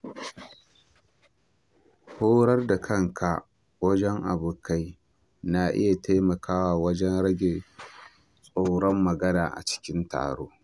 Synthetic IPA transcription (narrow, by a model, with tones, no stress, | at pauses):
hoː˦ɾɐ˦rda˨kʰɐ˦ŋkʰa˨ | wɐ˦d͡ʒɛ˦ŋʔa̰˨bʊ˨ka˦j | na˨ʔɪ̰˦ja˨tʰeː˦mɐ˨kʰaː˦waː˨wɐ˦d͡ʒɛ˦nɽɐ˦ɡʲeː˨ | sʼoː˨˦ɽɔ˦mːɐ˨ɡɐ˦naː˨ʔa̰˨t͡ʃɪ̥˦kʲɪ˦nta̰ː˨ɽoː˦